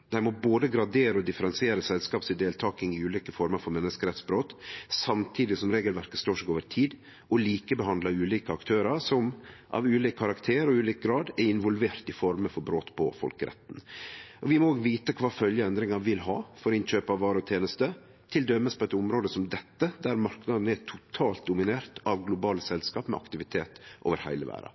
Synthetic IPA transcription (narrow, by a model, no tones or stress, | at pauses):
d̪̥æɾmɔboːd̪əɡɾɑd̪eːɾəɔd̪ɪfəɾɛnsɪeːɾəsɛlskɑːpsɪd̪eːlt̪ʰɑːkɪŋɪʉːliːkəfɔɾməɾfɔɾmɛnːəskəɾɛt̪sbɾoːt̪sɑmt̪ʰiːd̪ɪsɔmɾeːɡəlʋæɾkət̪st̪oːʂɛkoːʋəɾt̪ʰiːd̪ | ɔliːkəbɛɦɑnd̪ləɑʉːliːkəɑkt̪ʰøːɾɑɾsɔmʔɑ̰ʋʉːliːkʰːɑɾɑkt̪ʰeːɾɔʉːliːk̚ɡɾɑːd̪ɛɾɪnʋɔlʋeːɾt̪ɪfɔɾməfɔɾbɾoːt̪pʰɔ̰fɔ̰lkəɾʔɛ̰t̪ːn̩ʔɔʋɪmɔoːɡʋiːt̪əkʰʋɑːfœljəɛnd̪ɾɪŋɑʋɪlɦɑːfɔɾɪnɕøːpɑʋʋɑːɾəɔt̪ʰjeːnəst̪ə | t̪ʰɪld̪œmːəspʰɔɛt̪ːʊmɾoːd̪əsɔmd̪ɛt̪ːəd̪æɾmɑɾknɑd̪ən̩əæt̪ʰʊt̪ʰɑːlt̪̚d̪ʊmɪneːɾt̪ɑʋɡlʊbɑːləsɛlskɑːpmɛ̰ɑ̰kt̪ɪʋɪt̪ʰeːt̪ʔo̰ːʋəɾhæ̰ɪləʋæ̰ːɾɑ̰